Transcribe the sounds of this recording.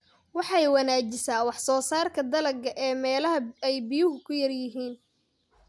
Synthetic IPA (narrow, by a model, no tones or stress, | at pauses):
wɑħɑjwɐnaːt͡ʃɪsaːwɑħsɔːsaːrkʰɐd̪ɐlɐɡɐʔɛːmɛːlɐɦɐɛjbɪjʊɦʊkʰʊjɐrjɪɦiːn